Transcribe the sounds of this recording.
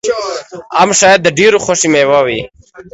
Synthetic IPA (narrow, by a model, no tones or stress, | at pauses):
amʃajad̪ːəɖeɾoxoʃimewawi